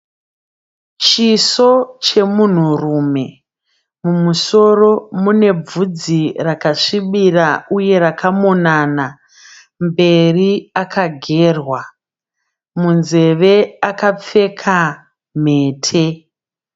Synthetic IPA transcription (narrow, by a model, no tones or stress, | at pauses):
t͡ʃiso̞t͡ʃe̞mun̤urume̞ | mumuso̞ro̞mune̞b͡vud͡zirakaʂiɓirauje̞ɾakʰamonana | mbe̞riakʰaɡʱe̞ːrwa | munze̞ʋe̞akap͡fe̞kʰa | m̤e̞ːtʰe